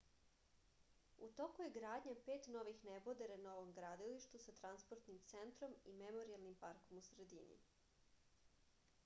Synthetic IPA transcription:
ut̪o̞kujeɡɾaːd̪ɲapeːt̪no̞ʋixnebod̪eɾanoʋomɡɾaːd̪iliʃt̪usat̪ɾanspoɾt̪nimt̪sent̪ɾo̞mimemo̞ɾialˠnimpaɾko̞musɾed̪inḭ

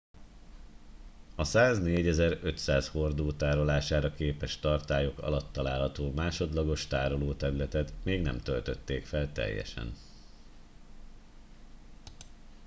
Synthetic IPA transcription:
ɒsaːzneːɟɛzɛɾø̞t̪saːsho̞rd̪oːt̪aːɾo̞laːʃaːɾɒkeːpɛʃt̪ɒrt̪aːjo̞kɒ̰lɒt̪ːɒlaːlɦɒt̪oːmaːʃo̞d̪lɒɡo̞ʃt̪aːɾo̞loːt̪ɛɾylɛt̪ɛt̪meːɡnɛ̰mt̪ølt̪ø̞t̪ːeːkfɛlt̪ɛ̰jːɛ̰ʃɛ̰n

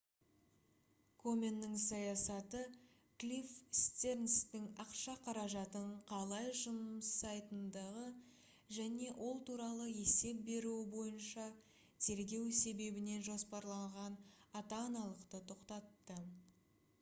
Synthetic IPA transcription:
kʰo̞mʲe̞nːɪŋsɑjɑsɑt̪ə | klʲifst̪e̞ɾnst̪ɪŋɑqʃɑqʰɑɾɑʒɑt̪əɴqʰɑlˠɑjʒʊməsɑjt̪ənd̪ɑʁə | ʒæne̞wʔo̞lˠt̪uɾɑlˠəe̞se̞p̚be̞ɾuwɪbo̞jənʃɑ | t̪ʰe̞ɾɡʲe̞wse̞be̞bɪne̞nʒo̞spɑɾlˠɑɴʁɑnɑt̪ɑːnɑlˠəqt̪ət̪ʰo̞qt̪ɑt̪ːə

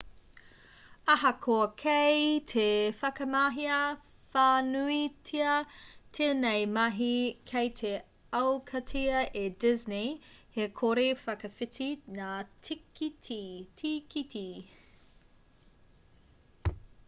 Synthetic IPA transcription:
ɐɦɐkʰoɐkʰejtʰefɐkɐmaɦiɐ | faːnuitʰiɐtʰeːnɛjmɐɦikʰejtʰe | ɐwkʰɐtʰiɐʔedɪznihekʰoɾefɐkɐfɪtʰinaːtʰikitʰitʰikitʰi

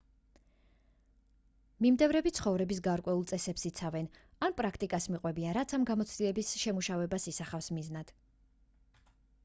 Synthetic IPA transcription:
mimd̪ɛvɾɛbit̪sχɔvɾɛbisɡaɾkʼwɛulˠt̪sʼɛsɛpsit̪sʰavɛnanpʼɾakʰt̪ʼikʼasmiqʼwɛbianɾat̪sʰamɡamɔt̪sʰt̪ʼilɛbisʃɛmuʃavɛbasisaχafsmiznad̪̥

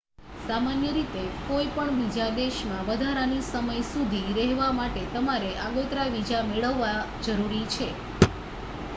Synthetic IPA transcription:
samanjəɾit̪ekoipəɳbid͡ʒad̪eʃmãʋəd̪ʱaɾanisəməjsud̪ʱiɾɛɦʋamaʈet̪əmaɾeʔaɡot̪ɾaʋid͡ʒameɭəʋːa | d͡ʒəɾuɾit͡ʃʰe

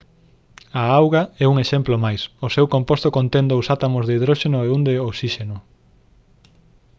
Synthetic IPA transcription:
aawɣaɛuŋeʃɛmplomajsosewkompost̪okõnt̪ẽnd̪owsat̪amozðeiðɾoʃenoeund̪eoksiʃenʊ

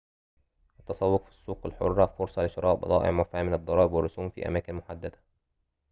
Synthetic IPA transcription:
ʔat̪ːɑsˤɑwːʊqfi̥sˤːuːqalħʊ̰rˤːɑfʊɾsˤɑlɪʃɑɾˤɑːʔbɑ̰d̪ˤɑ̰ːʔɪ̰ʕmafaːmɪnɑd̪ˤːɑɾˤɑːʔɪbwɑrˤːʊsuːmfḭːʔa̰maːkɪnmʊħad̪ːad̪a

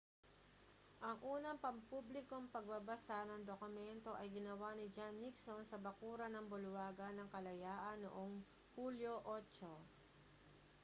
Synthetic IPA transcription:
ʔɐŋʔuːnɐŋpɐmpublɪko̞ŋpɐɡ̚babɐsanɐŋd̪okʊmɛnt̪o̞ʔɐjɡɪnɐwanɪd͡ʒanːɪksonsɐbɐkuːɾɐnɐŋbʊlwaːɡɐnɐŋkɐlɐjaːʔɐnːo̰ʔoŋ | huːljoʔot͡ʃo

